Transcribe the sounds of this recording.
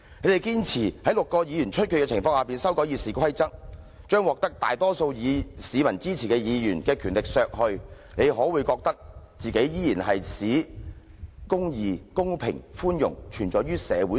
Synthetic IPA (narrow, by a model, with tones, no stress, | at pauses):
e˨˧˥ɾe˨jkiː˥nt͡sʰiː˨˩hɐ˨˥jlʊ˨kːɔː˧jiː˨˧jyː˨˩nt͡ʃʰɵ˥t̚kʰyː˨˧kɛ˧t͡sʰɪ˨˩ŋfɔː˧ŋhaː˨˩piː˨nsɐ˥wkɔː˨˥ji˨˧siː˨kʰɐ˥jt͡sɐ˥k̚ | t͡ʃœː˥ŋwɔː˨˩k̚t̪ɐ˥k̚t̪a̰ː˨jt̪ɔː˥so˧wjiː˨˧siː˨˧mɐ˨˩nt͡siː˥t͡sʰiː˨˩kɛː˧jiː˨˧jyː˨˩nkɛː˧kʰyː˨˩nlɪ˨k̚sœː˨k̚hɵ˧ɥ | ne˨˧jɦɔː˨˥wuː˨˧jkɔː˧k̚t̪ɐ˥k̚t͡siː˨ke˨˥jjiː˥jiː˨˩nɦɐ˨jsiː˨˥ | kʊ˥ŋjiː˨˧kʊ˥ŋpʰɪ˨˩ŋfuː˥njʊ̰˨˩ŋt͡ʃʰyː˨˩nt͡ʃɔː˨˩jɥyː˥sɛ̰ː˨˧wu˨˥